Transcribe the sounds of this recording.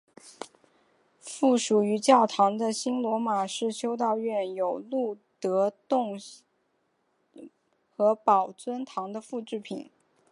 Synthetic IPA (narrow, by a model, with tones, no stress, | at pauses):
fu˥˩ʂu˨˩y˧˥t͡ɕjɑ˥˩ʊt̪ʰɑ˧˥ŋd̪ə˧ɕi˥nlwɔ˧˥ma˨˩ʂɻ̩˥˩ɕjo˥ʊt̪̬ɑ˥˧ʊɥɛ˥˩njo˨˩ʊlu˥˩t̪ɤ˧˥t̪ʊ˥˩˧ŋ | xɤ˧˥pɑ˨˩ʊt͡swə˥nt̪ʰɑ˧˥ŋd̪ə˧fu˥˧ʈ͡ʂɻ̩˥˩pʰḭ˨˩˦n